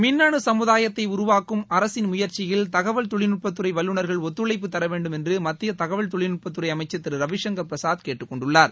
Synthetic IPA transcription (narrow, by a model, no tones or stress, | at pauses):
mɪnːaɳɯsɐmɯðaːjɐt̪ːɐɪʊɾʊʋaːkːɯmɐɾɐsɪnmʊjɐɾt͡ʃɪjɪlt̪ɐɣɐʋɐɭt̪ɔɭɪnʊʈ̚pːɐt̪ːɯrɐɪʋɐlːɯɳɐɾɣɐɭɔt̪ːɯɭɐɪp̬ːɯt̪ːɐɾɐʋeːɳɖɯmɛndrɯmɐt̪ːɪjɐt̪ɐɣɐʋɐɭt̪ɔɭɪnʊʈ̚pɐt̪ːɯɾɐɪɐmɐɪt͡ʃːɐt̪ːɪɾɯɾɐʋɪʂɐŋɡɐɾpɾɐsaːðkeːʈːɯkːɔɳɖɯɭːaːɾ